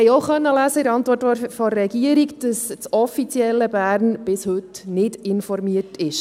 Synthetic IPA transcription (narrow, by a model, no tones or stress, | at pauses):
ɛjɔʊχœnːəlæːsəɪɾɑntʋɔɾtɔfɔɾɛɡiəɾikd̥əst͡sɔfit͡sjɛlːəbæːɾnb̥ɪshɵt̪nɪdɪnfɔɾmiətʰɪʃ